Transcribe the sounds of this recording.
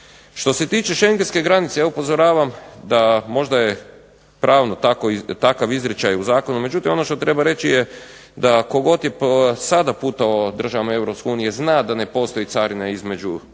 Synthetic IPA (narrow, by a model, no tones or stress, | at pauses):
ʃt̪o̞se̞t̪iːt͡ʃe̞ʃe̞ŋɡenske̞ɡɾanit̪sejaupo̞zoɾaːʋamd̪amo̞ʒd̪aje | pɾʔaːʋnot̪akot̪akaʋizɾet͡ʃajuzaːko̞nume̞d͡ʒut̪imo̞no̞ʃt̪o̞t̪ɾe̞baɾe̞t͡ʃije | d̪ako̞ɡo̞t̪jepsad̪apuːt̪aod̪r̩ʒaʋamae̞vɾopskeuːnije̞znad̪ane̞po̞st̪o̞it̪saɾinaizme̞d͡ʒu